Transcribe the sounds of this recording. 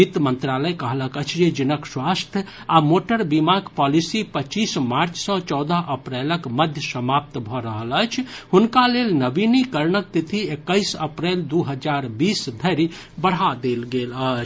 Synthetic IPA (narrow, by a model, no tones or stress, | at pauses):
it̪mənt̪ɾaləjkəɦləkət͡ʃʰd͡ʒed͡ʒinəkswast̪ʰjə | amoʈəɾbimaɡpɔlisipət͡ʃːismaɾt͡ʃʰsə̃t͡ʃɔːd̪əɦʔəpɾɛləkməd̪ʱjəsəmap̚t̪bʱɔɾəɦələt͡ʃʰhunkalelnəbinikəɾnək̚t̪it̪ʰiekːəɪsəpɾeld̪uɦəd͡ʒaɾbiːsd̪ʱəɾi | bəɽ̤ɦad̪elɡelət͡ʃʰ